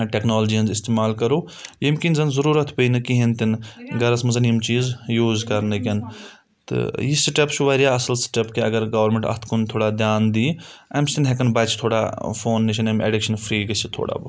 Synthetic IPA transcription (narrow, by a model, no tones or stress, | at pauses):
ʈeːknoːld͡ʒiːɐnzɪst̪eːmaːlkɐɾoː | jimkinzɐnzɐɾuːɾɐt̪ʰpəinɨkiɦint̪inɡɐɾɐsmɐzɐnijimt͡ʃiːzjuːzkɐɾnɐkʲɐn | t̪ɨ̰jisiʈɐpt͡ʃʰuʋɐːɾijaːɐsɐlsʈɐpkeɐɡɐɾɡɐʋɐɾmẽɳʈɐ̰st̪ʰkunt̪ʰoːɽaːd̪jaːnd̪iːɐmst̪inɦekɐnbɐt͡ʃʰt̪ʰoːɽafoːnːiʃʰɐnɐmḛːɖikʃɐnfʰɾiːɡɐsʰit̪ʰo̰ːɽa̰ːbɨ